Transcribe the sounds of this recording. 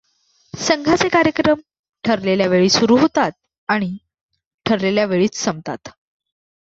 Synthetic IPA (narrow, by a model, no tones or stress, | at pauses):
səŋɡʱat͡sekaɾjəkɾəm | ʈʰəɾleljaʋeɭiːsuɾuːɦot̪at̪̚ | aɽ̃i | ʈʰəɾleljaʋeɭiːt͡ssəmt̪a̰t̪